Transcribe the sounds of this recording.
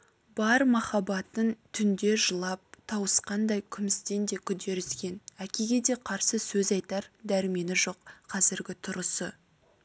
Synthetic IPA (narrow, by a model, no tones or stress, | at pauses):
bɑɾmɑχɑbɑt̪ənt̪ʰʏnd̪e̞ʒəlˠɑp̚t̪ʰɑwəsqɑnd̪ɑjkʲʰʏmɪst̪e̞nd̪e̞kʲʰʏd̪e̞ɾʏzɡʲe̞nækʲeɡʲe̞d̪e̞qʰɑɾsəsɵzɑjt̪ɑɾd̪æɾɪme̞nɪʒo̞qqʰɑzɪɾɡʲɪt̪ʰʊɾəsə